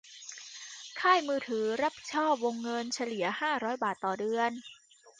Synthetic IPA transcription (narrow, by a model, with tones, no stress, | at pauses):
kʰaː˥˩jmɯː˧t̪ʰɯː˩˦ɾa˦˥p̚ʰi̥˨˩t̚t͡ɕʰɔː˥˩p̚wo˧ŋːɤ˧nt͡ɕʰa˧li˩˦ɐhaː˥˩ɾɔː˦˥jbaː˨˩t̪ːɔː˨˩dɯ˧ən